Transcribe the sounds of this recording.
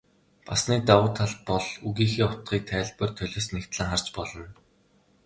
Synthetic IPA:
pasniːt̪awʊːt̪ʰaɮpɔɮuɣiːxiːɔt̪ɢiːk̚t̪ʰæːɮpə̆rt̪ʰœɮʲeːsnekt̪ɮə̆ŋχar̥t͡ɕpɔɮɞ̆n

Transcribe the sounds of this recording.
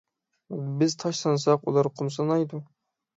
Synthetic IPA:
bɪzt̪ʰɑʃlˠɑnsɑqulˠɑɾqʰʊmsɑnɑjd̪ʊ

